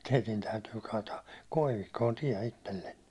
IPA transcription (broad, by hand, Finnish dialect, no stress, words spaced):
teitin tæytyː kɑːtɑːk koiʋikːoːn tiɛ itelːenːe